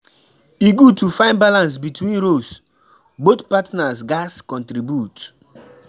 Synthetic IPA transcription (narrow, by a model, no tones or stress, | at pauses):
iɡutufãɪ̃nbalãnsbitwĩnɾos | botpatnasɡaskɔ̃ntɾibjut